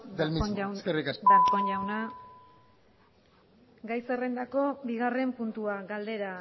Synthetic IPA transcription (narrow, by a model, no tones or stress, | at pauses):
d̪elmiawskerikadakoɲʝawna | ɡajsere̞nd̪ako̞biɣ̞are̞mpunt̪uaɡald̪e̞ɾa